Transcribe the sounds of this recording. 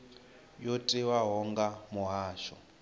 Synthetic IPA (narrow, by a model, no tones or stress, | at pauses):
jotʼiwaɦɔŋɡamuɦaːʃɔ̰